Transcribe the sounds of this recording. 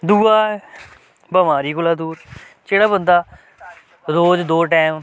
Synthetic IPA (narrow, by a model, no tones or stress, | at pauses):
d̪uːaːɛ | bəmaːɾiːkʊlaːd̪uːɾ | d͡ʒeːɽaːbənd̪aː | ɾoːd͡ʒd̪oːʈɛːm